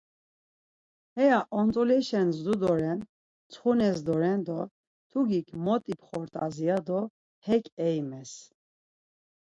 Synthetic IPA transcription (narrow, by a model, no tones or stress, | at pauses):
hɛjaʔɔnt͡s̪ʼɔlɛʃɛnzd̪ud̪ɔɾɛn | t͡sʰχunɛs̬d̪ɔɾɛnd̪ɔ | t̪ʰuɡikʰmɔt̪ʼipχɔɾt̪ʼaziad̪ɔ | hɛkʼɛjmɛs